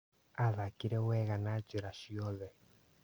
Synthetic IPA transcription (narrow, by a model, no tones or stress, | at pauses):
aðakiɾɛwɛɣanat͡ʃeɾaʃiɔðɛ